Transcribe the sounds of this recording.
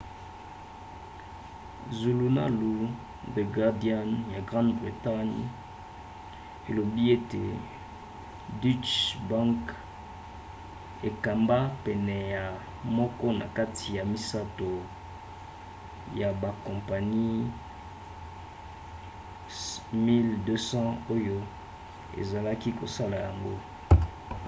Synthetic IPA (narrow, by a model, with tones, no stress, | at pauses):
zu˨lu˨na̰˦lu˨ | de˨ɡa˨di˨a˦nja˨ɡʁã˦ndbʁi˨ta˦ɲ | e˨lo˨bi˦e˦tḛ˨ | di˦t͡ʃbã˦ŋk | e˨ka˨mba˦pɛ˨nɛ˨ja˨ | mɔ˦kɔ˦na̰˨ka˦tʰi˨ja˨mi˦sa˦to˨ | ja˨ba˨kɔ̃˨mpa˨ni˦ | mi˦ldø˦sɑ̃˦o˦jo˦ | ḛ˨za˨la˦ki˦ko˨sa˦la˨ja˨ŋɡo˦